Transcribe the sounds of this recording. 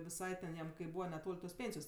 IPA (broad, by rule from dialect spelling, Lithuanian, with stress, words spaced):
ʋʲɪˈsɐɪ tʲɛn ˈjɛm kɐɪ ˈbuːʋɐ nʲɛˈtoːlʲ toːs ˈpʲeːnʲsʲɪjoːs